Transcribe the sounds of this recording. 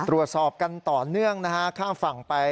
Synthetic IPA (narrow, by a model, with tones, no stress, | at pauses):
ɾu˨˩ət̪̚sɔː˨˩p̚ka˧nt̪ɔː˨˩nɯ˥˩əŋna˦˥kʰa˦˥kʰaː˥˩mfa˨˩ŋpa˧j